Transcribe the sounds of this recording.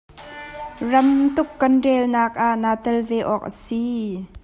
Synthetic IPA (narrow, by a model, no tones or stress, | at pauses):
rɐmt̪ʊkːɐnrɛːlnaːk̚ʔaʔnaːt̪ɛlvɛːʔɔːk̚ʔə̰si